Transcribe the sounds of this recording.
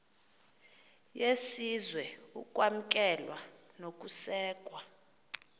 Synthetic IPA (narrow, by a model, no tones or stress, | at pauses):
jesizwɛukʼwam̩k̬ʼɛlwa | nok̬ʼusɛːkʼwa